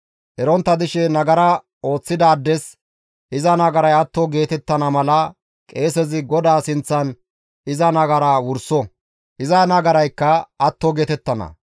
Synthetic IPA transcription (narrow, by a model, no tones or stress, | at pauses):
ʔɛɾɔnt̪ːɐd̪ɪʃɛnɐɡɐɾɐ | o̞ːt͡sːɪd̪aːd̪ːɛs | ʔɪzɐnɐɡɐɾɐjɐt̪ːɔɡe̞ːt̪ɛt̪ːɐnɐmɐlɐ | kʼe̞ːsɛzɪɡɔd̪aːsɪnt͡sːɐn | ʔɪzɐnɐɡɐɾɐwʊɾsɔ | ʔɪzɐnɐɡɐɾɐjkːɐɐt̪ːɔɡe̞ːt̪ɛt̪ːɐnɐ̰